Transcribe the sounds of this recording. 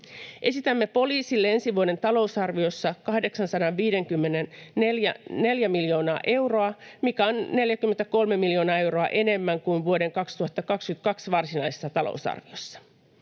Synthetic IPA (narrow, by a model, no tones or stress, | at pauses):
ʔe̞sit̪æmːe̞po̞liːsilːee̞nsiʋuode̞nt̪ɑlo̞usɑrʋio̞sːɑkɑhde̞ksɑnsɑdɑʋʋiːde̞ŋkymːeneneljæne̞ljæmiljo̞ːnɑːʔe̞wro̞ɑmikæo̞nːe̞ljækymːe̞nt̪æko̞lmemiljo̞ːnɑːe̞wɾo̞ɑ̰ʔe̞ne̞mːæŋkuinʋuo̞de̞ŋkɑkst̪uhɑt̪ːɑkɑkskyt̪̚kɑksʋɑrsinɑjsesːɑt̪ɑlo̰usɑ̰rʋio̞̰sːɑ̥